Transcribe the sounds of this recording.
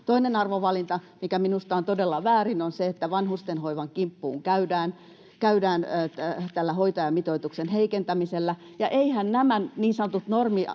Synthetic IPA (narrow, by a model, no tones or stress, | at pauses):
t̪oinenɑrʋoʋɑlint̪ɑmikæminust̪ɑːnt̪odelːɑʋæːrinonseet̪ːæʋɑnhust̪enhoiʋɑŋkimpːuːŋkæydæːn | kæydæːnt̪ælːæhoit̪ɑjɑmit̪oit̪uksenheikent̪æmiselːæ | jɑʔeihænnæmænniːnsɑnŏt̪ut̪normi